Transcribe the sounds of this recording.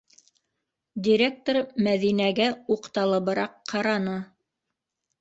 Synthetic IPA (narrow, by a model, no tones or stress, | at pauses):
dʲiɾʲek̚t̪ormæðinæɡæuqt̪ɑlˠɤ̆βɤ̆ɾɑqːɑɾɑnɤ